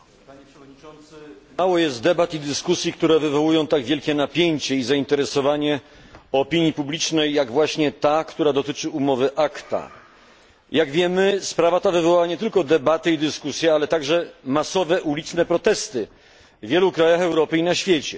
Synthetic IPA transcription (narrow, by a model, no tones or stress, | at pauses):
paɲɛpʂvɔd̪ɲiɔnt̪smawɔjɛst̪̚d̪ɛbat̪id̪ɘskusʲjikt̪uɾɛvɘvɔwujɔ̃w̃t̪aɡvʲjɛlkʲɛnapʲjeɲt͡ɕɛizaint̪ɛɾɛsɔvaɲɛ | ɔpʲiɲjipublʲit͡ʂnɛjːaɡvwaɕɲɛt̪akt̪uɾad̪ɔt̪ɘt͡ʂɘumɔvɘʔakt̪a̰ | jaɡvʲjɛmɘspɾavat̪avɘvɔwaaɲɛt̪ɘlkɔd̪ɛbat̪ɘid̪ɘskusʲjɛalɛt̪aɡʐɛmasɔvɛʔulʲit̪snɛpɾɔt̪ɛst̪ɘ | vʲjɛlukɾajaxɛwɾɔpɘinaɕfʲjet͡ɕɛ